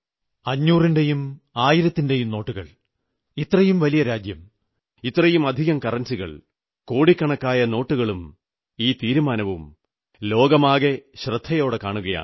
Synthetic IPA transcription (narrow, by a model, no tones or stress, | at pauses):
ɐɲːuːrinde̞jum | aːjiɾɐt̪ːinde̞jumno̞ːʈːuɣɐ̰ɭ | it̪rɐjumʋɐlijɐɾaːd͡ʑjɐm | it̪rɐjumɐd̪ʱiɣɐmkɐrɐnsiɣɐ̰ɭ | ko̞ːɽikːɐɳɐkːaːjɐno̞ːʈːuɣɐɭum | iːt̪iːɾumaːnɐʋum | lo̞ːɡɐmaːɣe̞ɕrɨd̪ʱːɐjo̞ːɽekaːɳuɣɐja̰ːɳɨ